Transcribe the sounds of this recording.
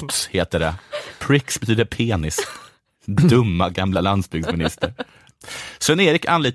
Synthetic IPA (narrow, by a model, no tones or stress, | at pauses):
sheːt̪əɖɛ̰pʰɾɪksbɛt̪ʰyːd̪əɾpʰeːnɪs | d̪ɵmːaɡamlaland̪sbʏɡsmɪnɪst̪əɾ | sɛneːɾɪkʰa̰nliːt̪